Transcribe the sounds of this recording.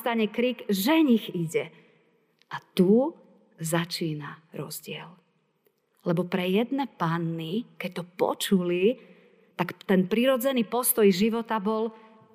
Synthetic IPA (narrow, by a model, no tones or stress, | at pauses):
t̪aɲɛkɾiɡʒɛɲiɣiɟɛ | at̪u | zat͡ʃiːnaɾɔ̰zɟɪɛl | lɛbɔpɾɛjɛd̪nɛpanːikɛc̚t̪ɔpɔ̰t͡ʃuli | t̪akt̪ɛnpɾiɾɔd͡zɛniːpɔst̪ɔjʒiʋɔt̪abɔl